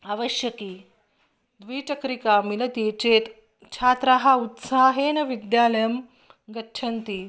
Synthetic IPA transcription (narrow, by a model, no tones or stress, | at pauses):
aʋəɕjɐkiː | d̪ʋiːt͡ɕɐkɾikamilɐt̪it͡ɕet̪ | t͡ɕʰaːt̪ɾaɦaut̪saɦeːnɐʋid̪jalɐjəm | ɡɐtːt͡ʃʰɐnt̪iː